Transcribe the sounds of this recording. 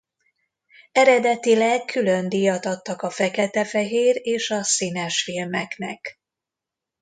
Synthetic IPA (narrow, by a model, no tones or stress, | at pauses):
ɛɾɛd̪ɛt̪ilɛkʰːylø̞nd̪ijɒt̪ɒt̪ːɒkɒfɛkɛt̪ɛfɛɦeːreːʃɒsinɛʃfilmɛknɛk